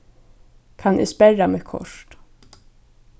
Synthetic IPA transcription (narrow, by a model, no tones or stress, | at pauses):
kʰanʔɪ̰spɛɹamɛkʰɔ̰ʂt̪